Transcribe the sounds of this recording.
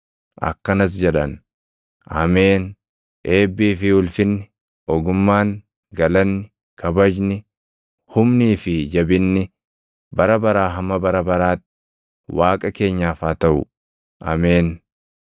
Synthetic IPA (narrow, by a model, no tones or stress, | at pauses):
ʔɐ̰kːɐnɐs̬d͡ʒɛᶑɐ̰n | ʔɐ̰meːn | ʔe̞ːbːiːfɪʊlfɪnːɪ | ʔɔɡʊmːaːŋ | ɡɐlɐnːɪ | kʰɐbɐd͡ʒnɪ | hʊmniːfɪd͡ʒɐbɪnːɪ | bɐɾɐbɐɾaːɦɐmːɐbɐɾɐbɐɾaːt̪ːɪ | waːkʼɐke̞ːɲːaːfaːt̪ɐʔʊ̰ | ʔɐ̰meːn